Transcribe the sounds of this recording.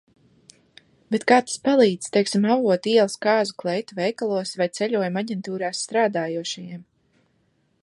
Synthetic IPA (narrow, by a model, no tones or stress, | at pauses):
bɛt̪kaːt̪ḁspalˠiːd̪z̥ʲt̪ɛjksimavuɔt̪iɛlˠskaːzuklˠɛjt̪uvɛjkalˠuɔsvajt̪sɛʎʲuɔjumaɟʲɛnt̪uːɾaːsːt̪ɾaːd̪aːjuɔʃajim